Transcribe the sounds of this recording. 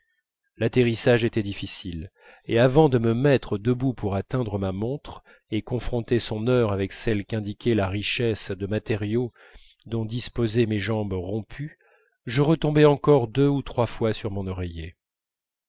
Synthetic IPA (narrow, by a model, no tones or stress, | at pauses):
lat̪eʁisaʒet̪ɛd̪ifisil | eavɑ̃d̪əməmɛt̪χəd̪əbupuʁat̪ɛ̃d̪ʁəmamɔ̃t̪χ | ekɔ̃fχɔ̃t̪esɔ̃nœʁavɛksɛlkɛ̃d̪ikʲɛlaʁiʃɛsd̪əmat̪eʁjo | d̪ɔ̃d̪ispozɛmeʒɑ̃bʁɔ̃pʰy | ʒəʁət̪ɔ̃bɛɑ̃kɔʁd̪øut̪χwafwasyʁmɔ̃nɔʁɛje